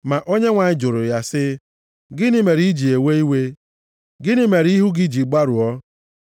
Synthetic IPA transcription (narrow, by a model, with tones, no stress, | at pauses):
ma˨ʔo˦ɲe˦ŋʷa˨ɲɪ˦d͡ʒʊ˨ɾʊ˨ja˦sɪ˦ | ɡɪ˦nɪ˦me˨ɾi˦i˦d͡ʒi˨e˨we˦i˦we˦ | ɡɪ˦nɪ˦me˨ɾi˦ɦu˦ɡɪ˦d͡ʒi˨ɡ͡ba˦ɾu˨ɔ˦